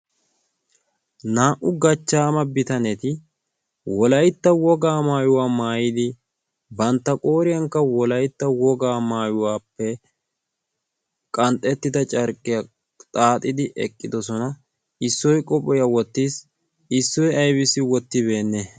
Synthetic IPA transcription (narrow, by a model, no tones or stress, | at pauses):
naːʔʊɡɐt͡ʃːaːmɐbɪt̪ɐnɛt̪ɪ | wɔlɐjt̪ːɐwɔɡaːmaːjʊwaːmaːjɪd̪ɪ | bɐnt̪ːɐkʼoːɾɪjɐŋkːɐwɔlɐjt̪ːɐwɔɡaːmaːjʊwaːpːɛ | kʼɐnt̪ʼːɛt̪ːɪd̪ɐt͡ʃʼɐɾkʼːɪjɐ | t̪ʼaːt̪ʼɪd̪ɪʔɛ̰kʼːɪd̪ɔsɔnɐ | ɪsːɔjkʼɔpʼɔjɐwɔt̪ːiːs | ɪsːɔjɐjbɪsɪwɔt̪ːɪβe̞ːnːe